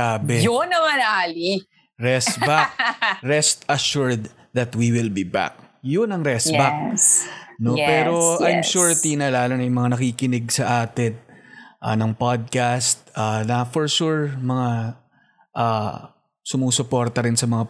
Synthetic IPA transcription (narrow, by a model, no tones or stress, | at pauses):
aːbɛjonːɐmanaːli | ɾɛsbak̚ɾɛst̪ɐʃuɹd̪ | ðɐt̪wiwɪlbiba̰k̚jʊnɐŋɾɛsbak̚ | nopɛːɾoʔajmʃuɹt̪inɐlaːlɐŋɐjʊŋmɐŋanɐkikɪnɪɡsɐʔaːt̪ɪnʔa̰nɐŋpad̪̚kast̪̚anɐfɔɹʃuɹmɐŋa | ʔaː | sʊmuːsʊpoɾt̪ɐɾɪnsɐmɐŋa